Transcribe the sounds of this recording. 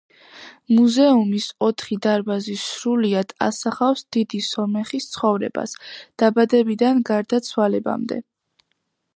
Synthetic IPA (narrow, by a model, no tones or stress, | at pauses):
muzɛumisɔt̪ʰχid̪aɾbazisɾuliad̪̥a̰saχafsd̪id̪isɔmɛχist̪sʰχɔvɾɛ̰ba̰sd̪̥abad̪ɛbid̪anɡaɾd̪at̪sʰwalɛba̰md̪ɛ̰